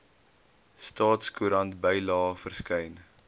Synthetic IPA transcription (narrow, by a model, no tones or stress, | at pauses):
stɑːtskuɾɐntbəjlɑːfərskəjn